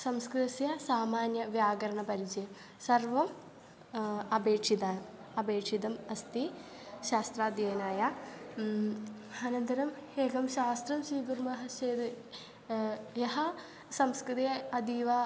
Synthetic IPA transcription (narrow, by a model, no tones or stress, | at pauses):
sɐmskɾɨt̪ɐsjɐsaːmaːnjɐʋjaːɡɐɾɐɳɐpɐɾid͡ʑɐjɐm | sɐrʋɐm | ɐbeːkʂid̪aː | ɐbeːkʂid̪ɐmɐst̪i | ɕaːst̪ɾaːd̪jɐɐnaːja | ɐnɐnt̪ɐɾɐmheːɡɐmɕaːst̪rɐmsiːɡurmɐɦɐɕeːd̪ɨ | jɐɦɐ | sɐmskɾɨt̪ijɐɐd̪iːʋɐ